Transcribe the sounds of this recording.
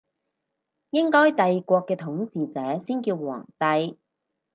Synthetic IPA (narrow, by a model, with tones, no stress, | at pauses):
jɪ˥ŋkɔː˥jt̪ɐ˨jkʷɔː˧kːɛː˧t̪ʰʊ˨˥ŋsiː˨t͡sɛː˨˥siː˥nkiː˧wwɔ̰ː˨˩ŋt̪ɐ˧j